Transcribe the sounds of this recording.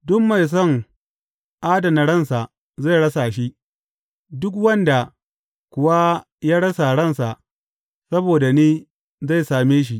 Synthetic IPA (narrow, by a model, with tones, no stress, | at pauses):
dʊ˦mːa˨js̬ɔ˦˨ŋ | ʔaː˦dɐ˨nɐ˨ɽɐ˦˨nsa˨ʔ | za˦˨jɽɐ˦sa˨ʃi˦ | dʊ˦kwɐ˦nda˨ | kʷʊ˨wa˦ | jaː˦ɽɐ˦sa˨ɽɐ˦nsa˨ʔ | sɐ˦boː˨da˨niː˦ | za˦˨jsaː˨meː˦ʃ̬i˦ʔ